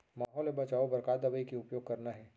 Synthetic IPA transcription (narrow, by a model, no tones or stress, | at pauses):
maːɦɔːlebɐt͡ʃaːobɐɾkaːt̪d̪ɐbəikiʊpjoːɡ̚kɐɾnaɦɛː